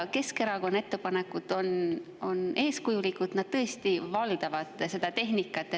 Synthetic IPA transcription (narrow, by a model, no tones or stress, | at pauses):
ke̞ske̞ɾɑko̞nːɑet̪ːˑe̞pɑne̞kːˑud̪̥o̞n | o̞ne̞ːskujulikːˑud̪̥nɑd̪̥̚t̪ɤest̪ivɑld̪̥ɑvɑd̪̥se̞d̪̥ɑt̪e̞ɦnikːˑɑt̪ːˑe